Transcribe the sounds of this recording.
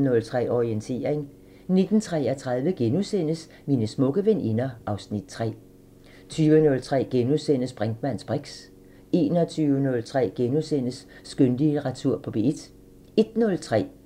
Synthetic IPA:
nɔ̽lt͡sʰʁɛ̰ːɒʁient͡sʰe̝̰ːɐʁeŋ | ne̝d̥n̩t͡sʰʁɛɐt͡sʰʁɑ̈ð̞ˠʋəɡ̥enusen̰əs | minəsmɔ̽ɡ̥əʋenʔinɐʔɑ̈ʊsnid̥̚t͡sʰʁɛ̰ː | t͡sʰyːʋənɔ̽lt͡sʰʁɛ̰ːɡ̥enusen̰əsb̥ʁaŋd̥mæn̰sb̥ʁeɡ̥s | e̝ːnɒt͡sʰyːʋənɔ̽lt͡sʰʁɛ̰ːɡ̥e̝nusen̰əsː | ɡ̥ønd̥iʁat͡sʰuɐ̰pʰɒ̽b̥eed̥ | e̝d̥nɔ̽lt͡sʰʁɛ̰ː

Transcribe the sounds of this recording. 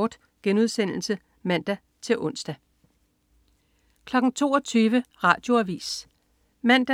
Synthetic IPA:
d̥ | ɡ̥enuð̞ˠsen̰l̩sə | mæn̰d̥æ | t͡sʰe̝lʔɔ̽n̰sd̥æ | kʰlɒ̽ɡ̥ŋ̩t͡sʰo̝̰ːɒt͡sʰyːʋəʁɑ̰̈ːd̥jo̝æʋḭːs | mæn̰d̥æ

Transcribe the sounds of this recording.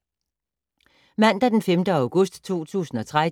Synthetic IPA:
mæn̰d̥æd̥enfemd̥əɑ̈ʊɡ̥ɔ̽sd̥t͡sʰo̝̰ːt͡sʰṵːsn̩ɒ̽t͡sʰʁa

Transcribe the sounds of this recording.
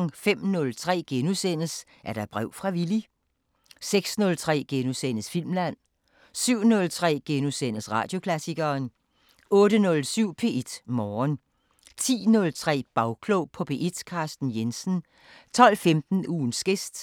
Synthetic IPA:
ŋfem̰nɔ̽lt͡sʰʁɛ̰ːɡ̥enusen̰əs | ʔæɐɾ̥ɑ̈b̥ʁɛʊ̰fʁɑ̈ʋili | seɡ̥snɔ̽lt͡sʰʁɛ̰ːɡ̥enusen̰əsfil̰mlæn̰ | syʊ̰nɔ̽lt͡sʰʁɛ̰ːɡ̥enusen̰əsʁɑ̈d̥jo̝kʰlæsiɡ̥ɐːn | ɔ̽ːɾənɔ̽lsyʊ̰pʰe̝ːʔed̥mɒːn | t͡sʰḭːnɔ̽lt͡sʰʁɛ̰ːb̥ɑ̈ʊkʰloʊpʰɒ̽b̥e̝ʔed̥kʰɑ̈ːsd̥n̩jensn̩ | t͡sʰɒ̽l̰femd̥n̩uːnsɡ̥e̝sd̥

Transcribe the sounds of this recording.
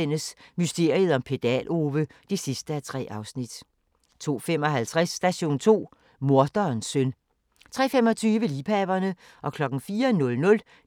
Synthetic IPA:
enəsmysd̥e̝ɐ̰ið̞ˠɒ̽mpʰe̝d̥ɛ̰lʔo̝ːʋəd̥e̝sisd̥əæt͡sʰʁɛ̰ːʔɑ̈ʊsnid̥ | t͡sʰo̝̰ːfem̰ɒ̽ɦælt͡sʰʁasːd̥æɕo̝̰ːnt͡sʰo̝̰ː | mo̝ɐd̥ɐːnsøn | t͡sʰʁɛ̰ːfemɒ̽t͡sʰyːʋəliːpʰɛb̥ɐnə | ʔɒ̽kʰlɒ̽ɡ̥n̩fiːɐnɔ̽lnɔ̽l

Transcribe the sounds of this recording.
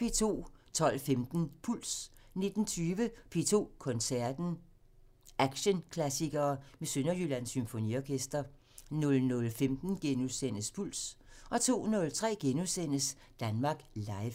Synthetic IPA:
pʰe̝̰ːt͡sʰo̝̰ːt͡sʰɒ̽l̰femd̥n̩pʰul̰s | ne̝d̥n̩t͡sʰyːʋəpʰe̝̰ːt͡sʰo̝̰ːkʰɔ̽nsæɐd̥n̩ | ʔæɡ̥ɕənkʰlæsiɡ̥ɐːmesønɐjylænsymfoniɒkʰesd̥ɐ | nɔ̽lnɔ̽lfemd̥n̩ɡ̥enuðsen̰əspʰul̰sʔɒ̽t͡sʰo̝̰ːnɔ̽lt͡sʰʁɛ̰ːɡ̥enusen̰əs | d̥ænmɑ̈ɡ̥lɑ̈ɪʋ

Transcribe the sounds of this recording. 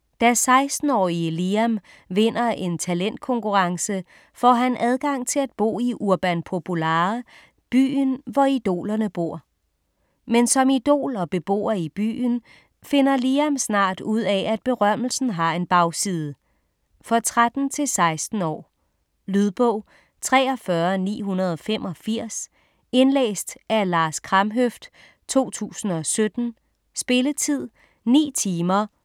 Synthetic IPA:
d̥æsɑ̈ɪsd̥n̩ɒ̰ːiliæm | ʋe̝n̰ɐe̝nt͡sʰælen̰d̥̚kʰɔ̽ŋkʰuʁɑ̈ŋsə | fɒ̰ɦænʔæð̞ˠɡ̥ɑ̈ŋ̰t͡sʰe̝læd̥̚b̥o̝̰ːiʔuɐb̥ænpʰo̝pʰulɑː | b̥y̰ːnʋɒid̥o̝̰ːlɐnəb̥o̝ɐ̰ | mensɒ̽mid̥o̝̰ːlɒ̽b̥e̝b̥o̝̰ːɐib̥y̰ːn | fe̝nɐliːæmsnɑ̰̈ːd̥uð̞̰ˠɛæd̥̚b̥e̝ʁɶm̰l̩sn̩ɦɑ̈e̝nb̥ɑ̈ʊsiːð̞ˠə | fɒ̽t͡sʰʁad̥n̩t͡sʰe̝lsɑ̈ɪsd̥n̩ɒ̰ː | lyð̞ˠb̥ɔʊ̰ | t͡sʰʁɛ̰ːɒfɶɐnḭːɦunɐð̞ˠɒ̽femʔɒ̽fiɐ̰s | e̝nlḛːsd̥æɐlɑ̈ːskʰʁɑ̈mɦøfd̥ | t͡sʰo̝̰ːt͡sʰṵːsn̩ɒ̽sød̥n̩ | sb̥e̝lət͡sʰið̰ˠ | nḭːt͡sʰiːmɐ

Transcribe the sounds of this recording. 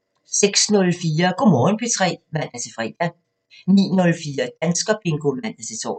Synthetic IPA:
seɡ̥snɔ̽lfiːɐkomɔːnb̥yt͡sʰʁɛ̰ːmæn̰æɐt͡sʰe̝fʁɛ̰ːd̥æ | nḭːnɔ̽lfiːɐd̥ænsɡ̥ɐpʰeŋɡ̥omæn̰æt͡sʰe̝t͡sʰɒ̰

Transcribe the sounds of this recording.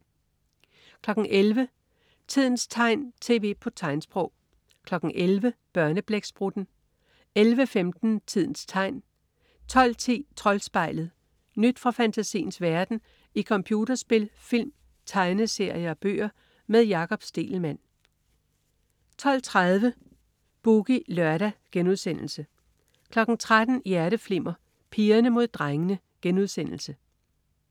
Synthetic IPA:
kʰlɒ̽ɡ̥ŋ̩ʔelʋə | t͡sʰið̞̰ˠn̩st͡sʰɑ̈ɪ̰nt͡sʰe̝̰ːʋe̝̰ːpʰɒ̽t͡sʰɑ̈ɪnsb̥ʁɔʊ̰ | kʰlɒ̽ɡ̥n̩ʔelʋəb̥ɶɐnəb̥leɡ̥sb̥ʁud̥n̩ | elʋəfemd̥n̩t͡sʰið̞̰ˠn̩st͡sʰɑ̈ɪ̰n | t͡sʰɒ̽l̰t͡sʰḭːt͡sʰʁɒ̽lsb̥ɑ̈ɪ̰lð̩ˠ | nyd̥fʁɑ̈fænt͡sʰæsḭːn̩sʋæɐd̥n̩ | ikʰɒ̽mpʰjuːdɐsb̥e̝lfil̰m | t͡sʰɑ̈ɪnəse̝ɐjəɒ̽b̥ø̰ːɐ | meðˠjɑ̈kʰɒ̽b̥sd̥e̝̰ːlmæn̰ | t͡sʰɒ̽l̰t͡sʰʁaðˠʋə | b̥uɡ̥ilɶɐɾ̥æɡ̥enuðˠsen̰l̩sə | kʰlɒ̽ɡ̥n̩t͡sʰʁad̥n̩jæɐɾəfle̝m̰ɐ | pʰiːɐnəmo̝ð̞̰ˠd̥ʁaŋənə | ɡ̥enuð̞ˠsen̰l̩sə

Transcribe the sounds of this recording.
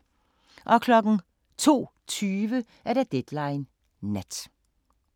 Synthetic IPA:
ʔɒ̽kʰlɒɡ̥ŋ̩ | t͡sʰo̝̰ː | t͡sʰyːʋə | æɐɾæd̥ed̪̥lɑɪnː | ed̥

